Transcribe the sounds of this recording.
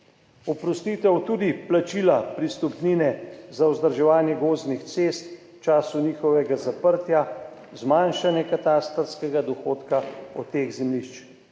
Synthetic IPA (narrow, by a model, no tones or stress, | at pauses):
ɔpɾɔst̪iːt̪ɛwt̪uːd̪iplat͡ʃiːlapɾist̪ɔpniːnɛzawzd̪əɾʒɛʋaːnjɛɡoːznixt̪seːst̪ | t͡ʃaːsuniːxɔʋɛɡazapəɾt̪ja | zmanʃanjɛkat̪aːst̪ɾskɛɡad̪ɔxoːt̪kaɔt̪ːeːɣzɛmliʃt͡ʃ